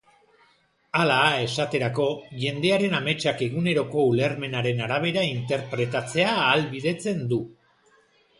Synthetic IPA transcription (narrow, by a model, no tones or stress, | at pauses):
alae̞sat̪e̞ɾako̞ʝe̞nd̪e̞aɾe̞name̞t͡ʃake̞ɣune̞ɾo̞ko̞ule̞ɾme̞naɾe̞naɾaβ̞e̞ɾaint̪e̞ɾpɾe̞t̪at͡se̞aːlβiðe̞t͡se̞nd̪u